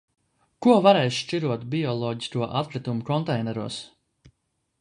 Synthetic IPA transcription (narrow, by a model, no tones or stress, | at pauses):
kuɔvaɾɛjsʃt͡ʃiɾuɔt̪biɔlˠɔːɟiskuɔʔat̪̚kɾit̪umukɔnt̪ɛjnɛɾuɔs